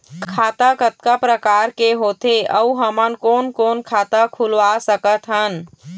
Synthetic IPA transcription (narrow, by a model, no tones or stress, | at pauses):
kkʰaːt̪akət̪̚kapɾəkaːɾkeɦoːt̪eəuɦəmənkɔːnkɔːnkʰaːt̪akʰulʋasəkət̪ɦən